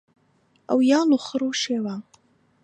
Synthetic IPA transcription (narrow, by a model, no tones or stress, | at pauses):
a̰wjaːluχəɾuːʃeːwaː